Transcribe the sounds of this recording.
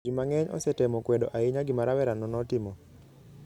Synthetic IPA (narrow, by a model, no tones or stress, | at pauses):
imaŋɛɲʔɔ̰sɛtɛmɔkwɛdɔ̰ʔaɪɲaɡɪmaɾawɛɾanɔnɔtɪmɔ